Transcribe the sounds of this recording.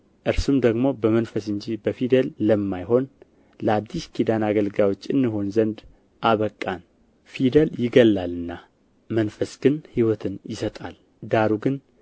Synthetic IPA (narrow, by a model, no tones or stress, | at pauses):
ʔɨɾsumd̪əɡmo̞bəmənfəsɨɲd͡ʒibəfid̪əlːəmːajɦo̞n | ləad̪ːiʃkʰid̪anaɡəlɡawot͡ʃːɨnːiɦo̞nzənd̪ | ʔaβəkʼːan | fid̪əljɪɡəlːalɨnːa | mənfəsɡ̥ɨnhiwɔt̪ʰɨnjɪsət̪ʼal | d̪aɾuɡɨn